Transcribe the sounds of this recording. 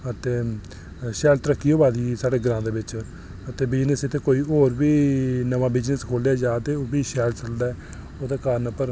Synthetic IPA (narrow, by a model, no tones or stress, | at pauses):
ət̪eː | ʃɛːlt̪ɾəkːiːoːbaːd̪iːsaːɖeːɡɾãːd̪eːbɪt͡ʃ | ət̪eːbɪd͡ʒnəsɪt̪ʰːeːkoːiːoːɾbiːnəʋãːbɪd͡ʒnəskʰoːlaːd͡ʒaːt̪eːoːbiːʃɛːlsəld̪aːɛː | oːd̪eːkaːɾənəpəɾ